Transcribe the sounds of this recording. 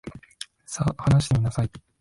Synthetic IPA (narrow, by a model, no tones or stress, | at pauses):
sahanaɕid̪emʲinasai